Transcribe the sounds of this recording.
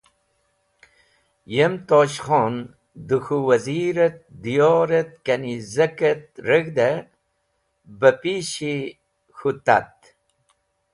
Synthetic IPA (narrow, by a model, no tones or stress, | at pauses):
jemt̪oːɕχon | d̪uxuwɐziɾət̪̚d̪ijoːɾet̪̚kɐnizɐket̪̚ɾəɡd̪e | bəpiɕi | xut̪at̪̚